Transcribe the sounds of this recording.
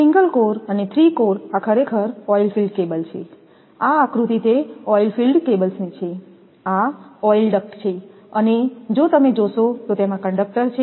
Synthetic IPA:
sĩŋɡəlkoɾənet̪ʰɾikoɾakʰəɾekʰəɾɔilfilɖkebəlt͡ʃʰe | aːkɾut̪it̪eɔilfilɖkebəlsnit͡ʃʰe | aɔjlɖəkt͡ʃʰe | əned͡ʒot̪əmed͡ʒoʃot̪ot̪emãkəɳɖək̚ʈəɾt͡ʃʰe

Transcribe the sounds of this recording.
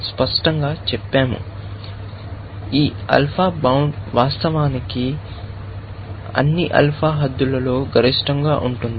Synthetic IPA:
spɐʂʈɐŋɡaːt͡ʃɛpːaːmṵ | iːɐ̰lpʰaːbɐwɳɖʋaːst̪ɐʋaːniki | ɐ̰nːiʔɐ̰lpʰaːɦɐd̪ːulɐlo̞ːɡɐɾiʂʈɐŋɡaːʔuɳʈund̪i

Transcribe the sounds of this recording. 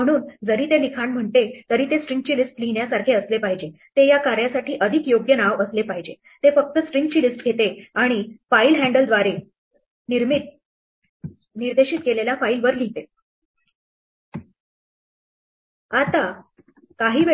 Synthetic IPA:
m̤əɽ̃uːnd͡zəɾiːt̪elikʰaɳm̤əɳt̪et̪əɾiːt̪esʈɾiŋɡ̚t͡ɕiːlisʈliɳjasaɾkʰiəslepaɦid͡ʑet̪ejakaɾjasaʈʰiːʔəd̪ʱikjoɡjənaʋəslepaɦid͡ʑe | t̪efək̚t̪əsʈɾiŋɡ̚t͡ɕiːlisʈɡʱet̪eaɽ̃ifailɦæɳɖəld̪ʋaɾe | niɾmit̪̚ | niɾd̪eɕiːt̪̚keleljafailʋəɾlit̪e | at̪a | kaɦiːʋe

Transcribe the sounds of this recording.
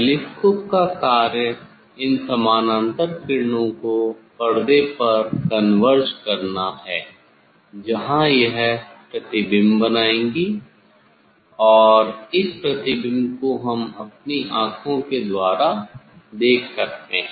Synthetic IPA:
lɪskʊpkakaːɾjə | ɪnsɐmaːnãnt̪əɾpɪɾnõkopɐɽd̪epɐɾkɐnʋəɾskɐɾnahɛː | d͡ʒɐɦãjɐɦpɾɐt̪ɪbɪmbɐnaːẽːŋɡi | ɔːɾɪspɾɐt̪ɪbɪmkoɦɐmɐp̚niʔãːkʰõked̪waːɾa | d̪eːkʰsɐk̚t̪eɦɛ̃

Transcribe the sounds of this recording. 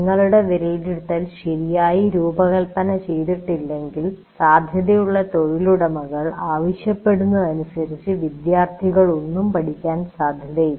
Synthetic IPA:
ŋːɐɭuɽe̞ʋeɾeɖiɽt̪ːɐlɕɐɾijaːjiɾuːbɐɣɐlpɐnɐt͡ɕejðiʈːilːe̞ŋɡil | saːd̪ʱjɐðɐjuɭːɐt̪o̞ɻiluɽɐmɐɣɐɭaːʋɐɕjɐpːe̞ɽunːuɐnusɐɾit͡ɕːɨʋid̪jaːrt̪ʰiɣɐɭo̞nːumpɐʈʰikʲːaːnsaːd̪ʱjɐðɐj

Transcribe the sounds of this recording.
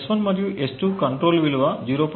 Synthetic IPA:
sʋɐnmɐɾijuʔesʈukɐɳʈɾoːlʋiluʋɐd͡ʒiːɾoːp

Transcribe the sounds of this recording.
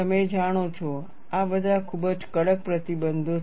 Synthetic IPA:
əmed͡ʒaɽ̃ot͡ʃʰo | abəd̪ʱakʰubəd͡ʒkəɽək̚pɾət̪ibənd̪ʱo

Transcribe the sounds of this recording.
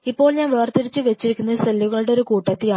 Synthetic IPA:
ipːo̞ːɭɲaːnʋeʋɐrt̪iɾit͡ɕːɨʋet͡ɕːiɾikʲːunːɐsɐlːuɣɐɭɽeo̞ɾukuːʈːɐt̪ːijaː

